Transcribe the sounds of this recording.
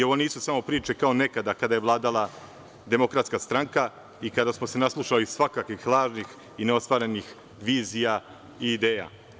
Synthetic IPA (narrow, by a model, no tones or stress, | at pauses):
io̞ʋo̞niːsusamo̞pɾiːt͡ʃe̞kao̞ne̞kad̪akad̪ajeʋlˠaːd̪alˠa | d̪e̞mo̞kɾat̪skast̪ɾaŋka | ikad̪asmo̞se̞naslˠuʃalisʋakakʋixlˠaːʒnix | ineo̞st̪vʋaːɾenix | ʋiːzija | iːd̪eːja̰